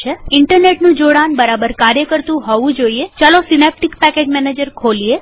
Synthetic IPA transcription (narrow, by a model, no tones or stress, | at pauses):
eɪɳʈəɾneʈnũd͡ʒoɽanbəɾabəɾkaɾjəkəɾt̪ũɦɔʋũd͡ʒoiet͡ʃalosinep̚ʈikpɛked͡ʒmɛned͡ʒəɾkʰolie